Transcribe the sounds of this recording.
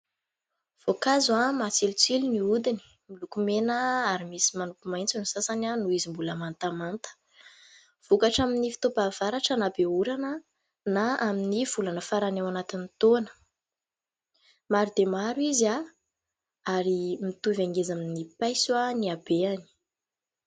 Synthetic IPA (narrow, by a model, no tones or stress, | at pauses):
v̥okazuamat͡selut͡seliniud̪ini̥ | milukumenəaɾimisimanukumajnt͡sinusasananuizimbuləmant̪amant̪ə̥ | v̥ukaʈ͡ʂaminifi̥t̪opav̥aɾaʈ͡ʂənabeuɾanə | naaminiv̥ulanəfaɾanawanat̪init̪onə̥ | maɾid̪emaɾwiza | aɾimit̪uvaŋɡezaminipajswaniabeani̥